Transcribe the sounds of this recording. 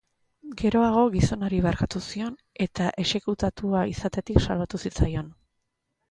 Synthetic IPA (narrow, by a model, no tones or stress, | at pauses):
ɡe̞ɾo̞aɣ̞o̞ɣiso̞noɾiβeɾkat̪usio̞n | e̞t̪aʔe̞se̞kut̪at̪uaisat̪e̞t̪iksalβat̪usit͡sajo̞n